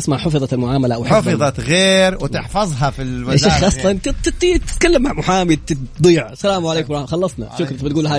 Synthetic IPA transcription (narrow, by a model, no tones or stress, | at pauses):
ɪsmaʕħʊfɨðˤɑlmʊʕaːmalaʔawħfɨðˤɑɣeːɾwɪt̪ɪħfɑzˤɦɑfilmaaaxʔɑsˤlɑnt̪t̪ɪt̪ːit̪ɪ̥t̪kalːamːaʕmʊħaːmɪd̪̚t̪ɪd̪ˤiːʕsalaːmʕaleːkʊmɾˤɑxɑlːɑsˤnɑ̰ʃʊkɾˤt̪bɪt̪̚ɡuːlɦaː